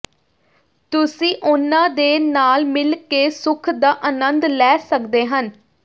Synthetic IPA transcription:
t̪ʊsĩːʔʊnãːd̪eːnaːlmɪlkeːsʊkʰd̪aːʔənənd̪lɛːsəkd̪eːɦən

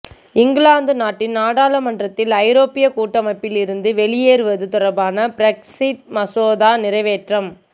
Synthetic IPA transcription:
ɪŋɡɭaːnd̪ɯnaːʈːɪnnaːɽaːlɐmɐnɖrɐt̪ːɪlɐɪɾoːpɪjɐkuːʈːɐmɐpːɪlɪɾɯnd̪ɯʋɛɭɪjeːɾɯʋɐðɯt̪ʊrɐbaːnɐbɾɛksɪʈ̚mɐsoːðaːnɪɾɐɪʋeːʈrɐm

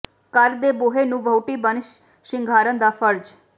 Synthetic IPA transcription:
kəɾd̪eːboːɦenũːʋəwʈiːbənʃ | ʃɪŋɡʱaːɾənd̪aːpʰəɾd͡ʒ

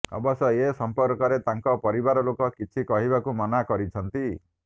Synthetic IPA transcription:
ɔ̰bɔsɔesɔmpɔɾkɔɾet̪aŋkɔpɔɾibaɾɔlokɔkit͡ʃʰikɔɦibakumɔnakɔɾit͡ʃʰɔnt̪i

